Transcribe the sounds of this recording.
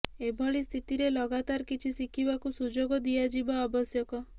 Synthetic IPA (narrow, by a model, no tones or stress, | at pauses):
ebʱɔɭist̪ʰit̪iɾelɔɡat̪aɾkit͡ʃʰisikʰibakusud͡ʒoɡɔd̪ijad͡ʒibaɔbɔsjɔkɔ